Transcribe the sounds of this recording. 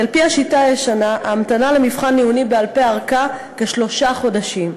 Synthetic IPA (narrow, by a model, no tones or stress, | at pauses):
alpiaʃitajeʃanaʔamtanalemivχanːiunibe̞alpeaʁka | keʃlo̞ʃaχo̞daʃim